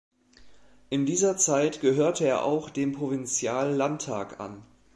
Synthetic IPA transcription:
ʔɪndiːzɐt͡saɪtɡ̥əɦøːɐtʰəeːɐʔa̰ʊxd̥eːmpʁ̥ovɪnt͡sjaːlːantʰːa̰ːkʔa̰n

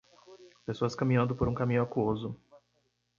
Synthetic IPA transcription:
pesoɐskɐmĩɲɐ̃nd̪ʊpoɾũkamĩɲʊakuozʊ

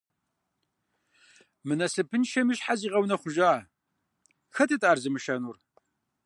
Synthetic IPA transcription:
mɨnɐsɨpʰɨnʃɐmɨɕħaziːʁɐwnɐχʷʊʒaː | xɐtʰɨtʼaːrzɨmɨʃɐnur

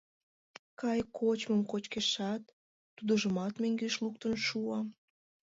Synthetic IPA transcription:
kɑjkʰot͡ɕməmkot͡ɕkeʃɑt̪ː | ud̪əʒəmɑt̪meŋɡeʃluk̚t̪ənʃuɑ

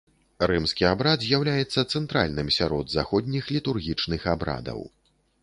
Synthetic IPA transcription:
rɨmskʲiabɾad̪zʲjawlʲajɛt̪sːɐt̪sɛnt̪ɾa̰lʲnɨmsʲaɾɔd̪zaxɔd̪ʲnʲixlʲit̪urɣʲit͡ʂnɨxabɾa̰d̪ɐ̰w

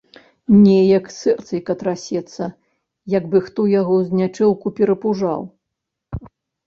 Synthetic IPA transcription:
nʲɛjɐksɛrt̪sɐjkɐt̪ɾasʲɛt̪sɐ | jɐɡbɨxt̪ɔjaɣɔzʲnʲat͡ʂɛlˠkupʲɛɾɐpuʐa̰w

